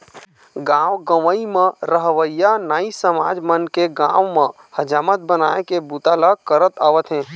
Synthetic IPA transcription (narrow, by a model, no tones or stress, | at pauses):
ɡãwɡəʋəimə̃ɾəɦʋəijanaːisəma̰d͡ʒmənkeɡãwmə̃ | həd͡ʒaːmət̪̚bənaekebut̪alakəɾət̪aʋət̪ɦɛ̃